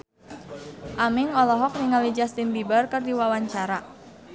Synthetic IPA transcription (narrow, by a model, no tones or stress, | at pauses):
ʔamɪŋɔlɔɦɔk̚niŋalid͡ʒast̪inbibərkɨrdiwawaɲt͡ʃaɾa